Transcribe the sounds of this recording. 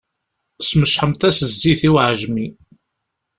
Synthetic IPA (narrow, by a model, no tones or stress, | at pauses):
sməʃħəmt̪æsəzːiθiwʕʒmi